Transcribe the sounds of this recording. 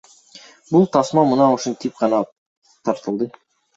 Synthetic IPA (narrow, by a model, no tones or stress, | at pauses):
bulˠt̪ʰɑsmɑmunɑuʃunt̪ʰip̚qʰɑnɑ | t̪ʰɑɾt̪ɯlˠd̪ə